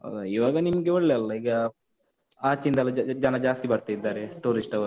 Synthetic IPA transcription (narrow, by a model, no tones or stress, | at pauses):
ɐ̰d̪uiʋaːɡɐnimɐɡeɐɭːeɐlːɐiːɡɐ | aːt͡ʃind̪ɐlːɐd͡ʒɐnɐd͡ʒaːst̪ibɐɽt̪aid̪ːaːɾeʈuːɾisʈɐʋɐɾ